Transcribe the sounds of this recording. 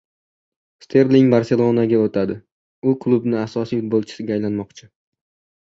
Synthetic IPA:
st̪ʰe̞ɾlɪŋbaɾse̞lˠo̞naɡʲaot̪ʰad̪ɪ | ʊkʰlˠubnɪasɒsijhʊt̪̚bolˠt͡ʃʰɪ̥sɪɡʲaːjlanmɒqt͡ʃʰɪ

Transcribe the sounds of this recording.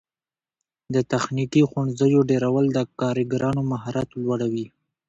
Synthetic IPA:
d̪ət̪axnikixʊɳzəjoɖeɾawəld̪əkɑɾiɡɾɑnomaɦɑɾɑt̪lwaɽawi

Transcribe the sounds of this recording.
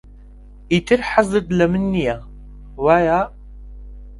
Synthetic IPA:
itʰɨrħazɨd̪lɐmɨnːija | waːjaː

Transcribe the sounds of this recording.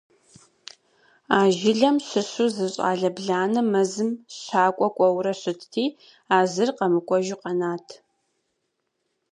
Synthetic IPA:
aːʒɪɮɐmɕɨɕuzɨɕʼa̰ːɮɐbɮaːnɨmɐzɨmɕaːkʷʼɔkʷʼɔwrɐɕɨtʰtʰiː | aːzɨrqɐmɨkʷʼɔʒɪqɐnaːtʰ

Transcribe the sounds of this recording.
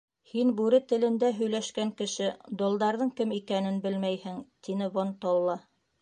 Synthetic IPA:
hinbʉɾɘt̪ɘ̆lɘ̆nd̪æɦɵ̆jlæʃkæŋkɘ̆ʃɘd̪ŏlˠd̪ɑɾðɤŋkɘmikænɘnbɘlmæjhɘŋt̪inɘβont̪ɑwlˠɑ

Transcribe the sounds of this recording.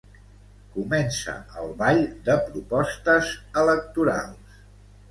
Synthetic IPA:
kumɛnsə̰əlˠβaʎd̪əpɾupɔst̪əzələk̚t̪uɾa̰lˠs

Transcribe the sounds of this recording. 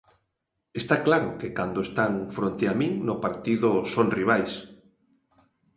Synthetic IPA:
est̪aklaɾʊkekand̪oest̪aŋfɾont̪eamiŋnʊpaɾt̪iðʊsonriβ̞ajs

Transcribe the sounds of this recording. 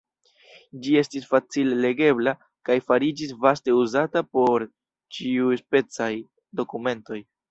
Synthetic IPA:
d͡ʒie̞stisfat͡silele̞ɡe̞bla | kajfaɾid͡ʒis̬vaste̞uzatapo̞ɾ | t͡ʃiujspe̞t͡saj | do̞kume̞nto̞j

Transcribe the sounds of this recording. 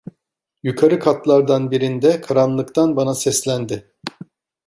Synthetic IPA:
jykʰaɾɯkʰat̪lˠaɾd̪anbiɾind̪ɛkʰaɾanlˠɯkt̪ʰanbanasɛslʲænd̪ɪ

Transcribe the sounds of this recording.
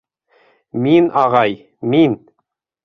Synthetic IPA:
minɑʁɑj | min

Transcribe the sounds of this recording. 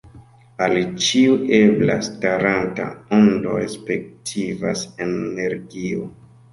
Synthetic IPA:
alt͡ʃiuʔebla̰staɾanta̰ondo̞̰espe̞k̚tʰiva̰senːeɾɡio

